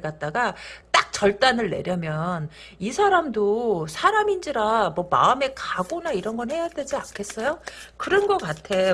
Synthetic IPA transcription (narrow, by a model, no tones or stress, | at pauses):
ɡat̚t͈aɡat͈ak̚t͡ɕʌɭt͈anɯɭːe̞̰ɾjʌmjʌn | isʰaɾamdosʰaɾamind͡ʑiɾamwʌma̰ɯme̞kaɡonaiɾʌnɡʌnhe̞jade̞d͡ʑiankʰe̞s͈ʌjokɯɾʌnɡʌk͈atʰe̞